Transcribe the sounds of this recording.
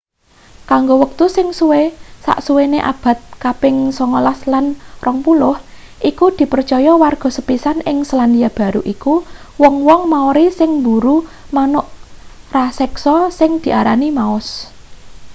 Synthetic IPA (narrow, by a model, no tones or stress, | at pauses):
kaŋɡowək̚t̪usɪŋsuwesa̰ʔsuweneʔa̰b̥ä̤t̪̚kapɪŋsɔŋɔlaslanrɔŋpulʊh | ʔikud̪̥i̤pərt͡ʃɔjɔwarɡ̥ɔ̤səpisanɪŋsəland̪iab̥a̤ɾuʔiku | wɔŋwɔŋmaoɾisɪŋmbuɾumanʊʔ | rasɛksɔsɪŋd̪̥i̤ʔaɾanimaʊs